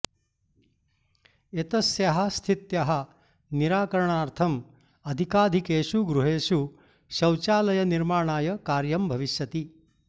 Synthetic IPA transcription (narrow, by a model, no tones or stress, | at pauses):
et̪ɐsjɐɦast̪ʰit̪jɐɦɐ | niɾaːkɐɾɳaːɾt̪ʰɐm | ɐd̪ʱikaːd̪ʱikeːʃuɡɾuɦeːʃu | ʃɐwt͡ʃaːlɐjɐniɾmaːɳ̃aːjɐkaːɾjɐmbʱɐʋiʃjɐt̪i